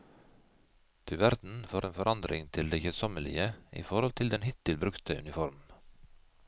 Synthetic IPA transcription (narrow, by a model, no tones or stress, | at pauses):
t̪ʰʉʋæɾd̪n̩foːɾʔeːnfɔɾʔɑnd̪ɾɪŋt̪ʰɪld̪eːçəsɔməlɪ̰əʔḭːfɔɾhɔlt̪ʰɪld̪ɛnhɪt̪ɪlbɾʉkt̪əʉ̰nɪfɔɾm